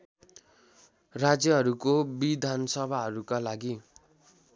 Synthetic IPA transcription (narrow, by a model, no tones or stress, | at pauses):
rad͡zjʌɦʌɾukobid̪ʱansʌbʱaɦʌɾukalaɡi